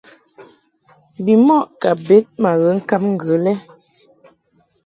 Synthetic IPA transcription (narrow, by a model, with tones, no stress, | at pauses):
bi˨mɔ˦˨ʔka˨be˨˦t̚ma˨ɣə˨˦ŋ̩˦ka˦p̚ŋ̩˦ɡə˨˦lɛ˦